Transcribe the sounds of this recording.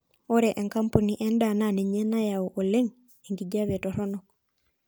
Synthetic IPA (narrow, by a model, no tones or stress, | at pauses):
oɾeʔeŋkampuniʔɛndananeɲɛnajaoʔoleŋ | eŋɡiɟaβetɔɾɔnok̚